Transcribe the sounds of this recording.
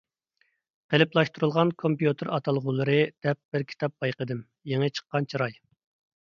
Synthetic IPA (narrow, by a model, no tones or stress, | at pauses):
qʰelɪplˠɑʃt̪uɾulˠʁɑnkʰompjut̪ʰɨɾɑt̪ʰɑlˠʁulˠɨɾɨd̪̥ɛp̚b̥ɪɾkʲʰi̥t̪ʰɑp̚b̥ɑjqəd̪ɨm | jeŋɨt͡ʃʰə̥qːɑnt͡ʃʰiɾɑj